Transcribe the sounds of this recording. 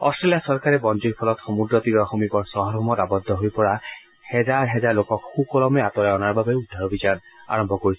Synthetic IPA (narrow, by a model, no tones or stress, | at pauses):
ɔstɹelijasɔɹkaɹɛbɔnd͡ʒiɹpʰɔlɔtxɔmudɹɔt̪iɹɔxomipɔɹsɔɦɔɹɔmɔtabɔd̪ʱːɔɦojpɔɹa | hɛzaɹɦɛzaɹlokɔkxukɔlɔmɛat̪ɔɹaɔnaɹbabɛudʱːaɹobʱizana̰ɹɔmbʱɔkoɹisɔ